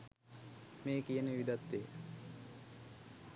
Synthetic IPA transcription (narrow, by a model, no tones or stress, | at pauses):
meːkijəneʋid̪at̪ːeː